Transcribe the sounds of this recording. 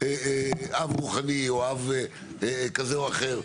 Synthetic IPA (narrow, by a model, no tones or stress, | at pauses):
eavʁuχanioave | kazeuaχeʁ